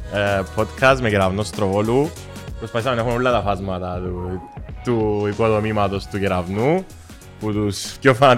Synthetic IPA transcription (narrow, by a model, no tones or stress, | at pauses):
epʰot̪kʰɐstmeceɾɐvnost̪ɾovolu | pɾospɐθis̬ɐmenexunolːɐt̪ɐfɐzmɐt̪ɐt̪ut̪uikoðomimɐt̪o̞st̪ucɛɾɐvnu | put̪uspjofɐnɐt̪